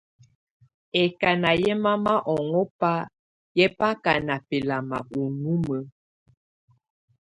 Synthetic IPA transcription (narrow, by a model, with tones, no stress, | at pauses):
ɛ˨ka˨na˨jɛ˦ma˦ma˦ʔɔ˨ŋɔ˦pa˦ | jɛ˦pa˦ka˨na˨pe˨la˨ma̰˨ʔu˨nu˦mə˨